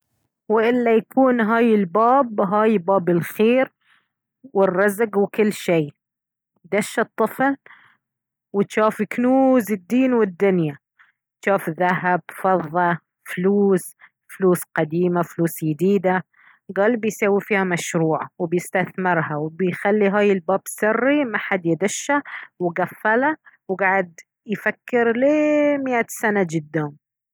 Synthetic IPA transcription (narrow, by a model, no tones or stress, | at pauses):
wɪʔɪlːajakuːnɦaːjɪlbaːbɦaːjbaːbɪlxeːɾ | wɪrːɑzɡwɪkɪlːʃiː | d̪aʃːɑt̪ˤːɨfl | wɪt̪ʃaːfɪknuːzɪd̪ːiːnwɪd̪ːʊnja | t̪ʃaːfðahab̚fɑðˤːɑ | fluːs | fluːsqɑd̪iːmafluːsjɪd̪iːd̪a | ɡɑːlbɪjsaːwifiːhamaʃɾuːʕawɪbjɪst̪aθmɪɾhawɪbɪjxalːiɦaːjɪlbaːbsɪrːimaħad̪jɪd̪ɪʃːawɪɡafːalawɡaːʕɪd̪ | jfakːɪɾleːmɪʔasanad͡ʒɪd̪ːaːm